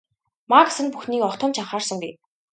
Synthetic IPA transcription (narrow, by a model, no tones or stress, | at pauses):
maksɘ̆npuxniːkɔχt̪ʰɞ̆ːmt͡ɕʰaɴχaːrsə̆ŋɡuj